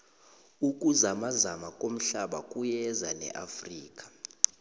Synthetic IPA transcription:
uk̬ʼuzamazamakʼom̩ɬaɓakʼujɛzanɛ̰ʔafriːk̬ʼḁ

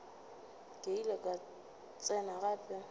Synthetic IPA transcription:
kʼeilɛkʼa | t͡sʼɛnaɣaːpʼɛ

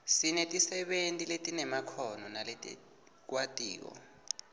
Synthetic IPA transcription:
sinɛtʼisɛɓentʼiletʼinɛmakʰɔnɔnaletʼɛ̰ | k̬watʼḭːk̬ɔ̰

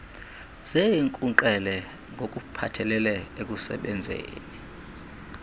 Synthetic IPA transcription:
zeŋkʼuǃɛlɛ | ŋɡʱokʼupʰatʰɛlɛlɛek̬ʼusɛ̰ɓɛnd͡zʱḛːni

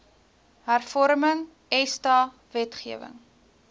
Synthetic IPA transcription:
ɦærfɔɾməŋ | ɛstɑː | vɛtχiəvə̰ŋ

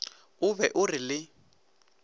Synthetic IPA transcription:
ʊbɛʔʊrɪlɪ

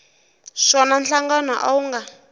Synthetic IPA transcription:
ʃɔnanɬaŋɡanaʔauŋɡa

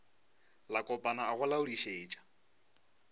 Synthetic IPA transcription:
lakʼɔpʼanaaɣʊlaʊliʃeːt͡ʃʼḁ

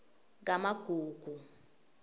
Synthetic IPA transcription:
ŋk̬amaɡ̥ʱuːɡ̥ʱu

